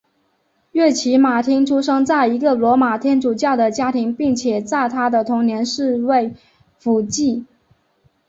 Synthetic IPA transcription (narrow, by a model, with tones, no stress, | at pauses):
ɥɛ˥˩t͡ɕʰi˧˥ma˨˩t̪ʰi˥ŋʈ͡ʂʰu˥ʂɤ˥ŋt͡sa˥˩ɪi˧˥ɡə˧˨lwɔ˧˥ma˨˩t̪ʰjɛ˥nʈ͡ʂu˨˩t͡ɕjɑ˥˩ʊd̪ə˩t͡ɕja˥t̪ʰi˧˥ŋpi˥˩ŋt͡ɕʰjɛ˨˩t͡sa˥˩ɪt̪ʰa˥d̪ə˨t̪ʰʊ˧˥ŋnjɛ˧˥nʂɻ̩˥˧we˥˩ɪ | fu˨˧˩t͡ɕi˥˩